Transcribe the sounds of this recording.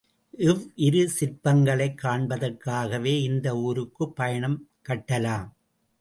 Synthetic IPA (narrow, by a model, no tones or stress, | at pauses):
ʔɪʋʔɪɾɯsɪɾpɐŋɡɐɭɐɪkːaːɳbɐðɐrkːaːɣɐʋeːɪnd̪ɐuːɾɯkːɯpːɐjɐɳɐm | kɐʈːɐlaːm